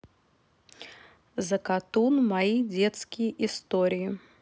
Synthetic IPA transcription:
zɐkat̪unmajid͡zʲɛt̪skʲijʔist̪ɔɾʲiji

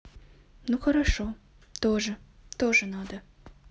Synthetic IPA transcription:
nuxɐɾaʃo | t̪oʒət̪oʒɨnɑd̪ə

